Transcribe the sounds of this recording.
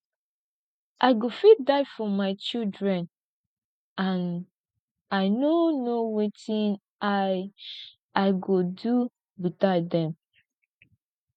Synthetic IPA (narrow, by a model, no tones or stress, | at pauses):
ʔaɪɡofit̚daɪfɔmaɪt͡ʃildɹɛ̃n | ãn | aɪnonowetĩn | a | aɪɡodu | bitadɛ̃m